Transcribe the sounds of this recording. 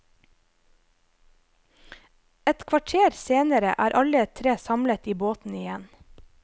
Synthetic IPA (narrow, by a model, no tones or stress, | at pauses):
ɛt̪kʰʋɑʈʰeːɾseːnəɾə̰ʔæːɾʔɑlət̪ʰɾeːsɑmlət̪iːboːt̪n̩ɪjɛn